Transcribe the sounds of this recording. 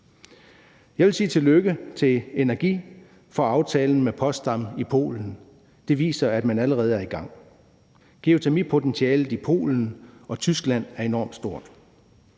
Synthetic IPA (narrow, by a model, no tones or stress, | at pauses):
jɑ̈ɪʋe̝lsiːt͡sʰe̝lːøɡ̥ət͡sʰe̝le̝næɐɡ̥ḭː | fɒ̽ɑ̈ʊt͡sʰɛːln̩mepʰɒ̽sd̥ɑmipʰo̝̰ːln̩ | d̥e̝ʋḭːsɐæd̥mænæləʁɛːð̩ˠæɐiɡ̥ɑ̈ŋ̰ | ɡ̥e̝o̝t͡sʰemipʰo̝t͡sʰensʰiɛːlð̩ˠipʰo̝̰ːln̩ɒ̽t͡sʰysɡ̥læn̰æɐe̝nɒ̰ːmd̥sd̥o̝ɐ̰d̥